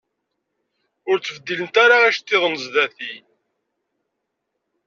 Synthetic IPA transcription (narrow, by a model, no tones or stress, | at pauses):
ʊɾt͡sːəvəd̪ːilənt̪aɾaæʃt̪ːiðˤənəzðæθi